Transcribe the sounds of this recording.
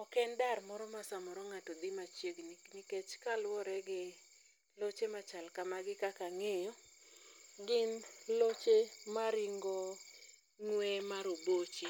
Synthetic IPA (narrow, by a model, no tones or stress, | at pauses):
ɔkɛndarmɔɾɔmasamɔɾɔŋatɔd̪ɪmat͡ʃjeɡnniket͡ʃkalwɔɾɛɡɪ | lot͡ʃemat͡ʃalkamaɡɪkakaŋejɔ | ɡɪnlot͡ʃemaɾiŋɡɔ | ŋwɛmaɾobot͡ʃi